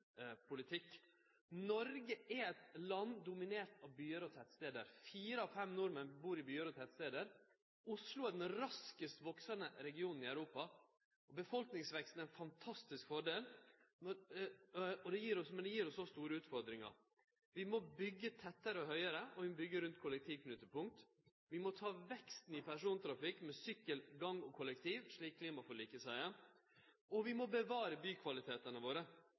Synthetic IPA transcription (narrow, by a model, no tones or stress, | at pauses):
pʰʊlɪt̪ʰɪkː | nɔɾɡəɛɛt̪lɑnd̪ʊmɪneːɾt̪ɑʋbyːəɾɔt̪ʰɛt̪st̪eːd̪ə̰ɾfiːɾəɑʋfɛmnʊɾmənbuːɾɪbyːəɾɔt̪ʰɛt̪st̪eːd̪əɾ | ʊslʊæɖ̪ɛnɾɑskəst̪ʋɔksɑnəɾɛɡɪuːnn̩ɪæʉɾuːpɑ | ʔɔbəfɔlknɪŋsʋɛkst̪n̩æɾɪnfɑnt̪ʰɑst̪ɪskfɔɖeːlnɔ | ɔd̪ɛjiːɾɔsmɛnd̪ɛjiːɾɔsɔst̪uːɾəʉːt̪fɔɾd̪ɾɪŋɑ̰ɾ | ʋɪmɔbʏɡːət̪ʰɛt̪ːəɾəɔhœʏəɾəɔʋɪmɔbʏɡːəɾʉnt̪kʰʊlɛk̚t̪ʰiːʋkʰnʉːt̪əpʊŋk̚t̪ | ʋɪmɔt̪ʰɑːʋɛkst̪n̩ɪpʰæʂuːnt̪ʰɾɑfɪkːmɛsʏkːəlɡɑŋːɔkʰʊlɛk̚t̪ʰiːʋʂɭiːkʰliːmɑfɔɭiːkəsæɪə | ɔʋɪmɔbəʋɑːɾəbyːkʰʋɑlɪt̪ʰeːt̪ənəʋoːɾə